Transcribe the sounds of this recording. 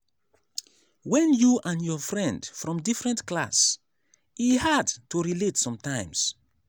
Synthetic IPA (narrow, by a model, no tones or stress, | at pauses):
wɛ̃njuʔãnjɔfɹɛ̃ndfɹɔ̃mdifɹɛ̃ntklas | ihadtuɹiletsɔ̃mtãɪ̃ms